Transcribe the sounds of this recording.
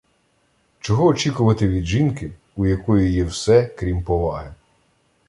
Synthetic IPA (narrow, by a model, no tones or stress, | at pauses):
t͡ʃɔɦɔːt͡ʃikʊʋɐt̪ɪʋʲid̪ʒinkɪ | ujɐkɔjʊjɛwsɛkɾʲimpɔʋɑɦɪ